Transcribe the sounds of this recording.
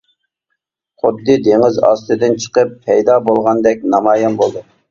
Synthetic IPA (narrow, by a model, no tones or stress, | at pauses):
χʊd̪ːɨd̪eŋɪzɑ̰st̪ɨd̪ɨnt͡ʃʰə̥qəpʰːɛjd̪ɑːbolˠʁɑnd̪ɛk̚ʲnɑmɑːjɑnbolˠd̪u